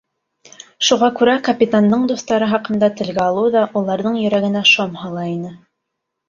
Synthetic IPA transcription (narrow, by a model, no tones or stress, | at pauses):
ʃuʁɑkʉɾækɐpʲit̪and̪ɤɴd̪uθt̪ɑɾɤχɑqɤ̆nd̪ɑt̪ɘ̆lɡæɑlˠɤwðɑʔulˠɑɾðɤɴjɵ̆ɾæɡɘ̆næʃomhɑlˠɑinɘ